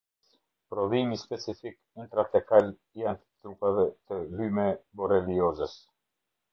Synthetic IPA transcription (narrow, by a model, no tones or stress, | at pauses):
pɾɔðimispɛt͡sifik | int̪ɾat̪ɛkal | jant̪ə̥t̪ɾupavɛt̪əlymɛbɔɾɛliɔzɛs